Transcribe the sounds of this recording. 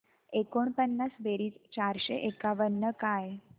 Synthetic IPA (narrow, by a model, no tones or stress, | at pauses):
ekoɳ̃pənːasbeɾiːt͡st͡ɕaɾɕeʔekaʋənːəkaj